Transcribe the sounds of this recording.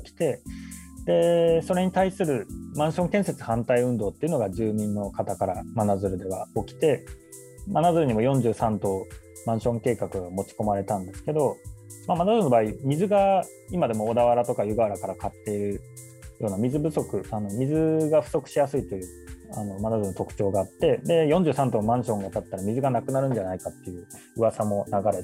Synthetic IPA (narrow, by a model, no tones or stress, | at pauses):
kʲi̥t̪e̞d̪e̞so̞ɾe̞ɲ̟it̪aisɨɾɯ̟mãɰ̃ɕõŋkẽse̞t͡sɨ̥hãnt̪aiɯ̟̃nd̪o̞ːt̪ːeiɯ̟no̞ɡad͡ʑɨːmʲĩnːo̞kat̪akaɾamanazɨɾɯ̟d̪e̞βao̞kʲi̥t̪e̞ | manazɨɾɯ̟ɲ̟imo̞jõ̞ɲ̟d͡ʑɨːsãnt̪o̞ | mãɰ̃ɕõ̞ŋke̞ːkakɯ̟ɡamo̞t͡ɕi̥ko̞maɾe̞t̪ãnd̪e̞sɨ̥ke̞d̪o̞mamanazɨɾɯ̟no̞baːimʲizɨɡa | imad̪e̞mo̞ːd̪aβaɾat̪o̞kajɯ̟ɡaaɾakaɾakat̪ːe̞iɾɯ̟ | jʔo̞ːnamʲizɨbɯ̟so̞kɯ̟ano̞mʲizɨɡaɸɯ̟̥so̞kɯ̟̥ɕijasɨit̪ːe̞jɯ | a̰no̞manazɨɯɾɯnot̪o̞kɯ̟̥t͡ɕo̞ːɡaːt̪ːe̞d̪e̞jõ̞ɲ̟d͡ʑɨ̟ːsãnt̪omãɰ̃ɕõ̞ŋɡat̪at̪ːaɾamʲizɨɡanakɯ̟naɾɯ̟̃ɲ̟d͡ʑanaikat̪ːe̞jɯ̟ː | ɯ̟βasamo̞naɡaɾe̞